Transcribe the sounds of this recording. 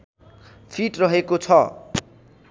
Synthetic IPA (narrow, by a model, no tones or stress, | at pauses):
pʰiʈrʌɦekot͡sʰʌ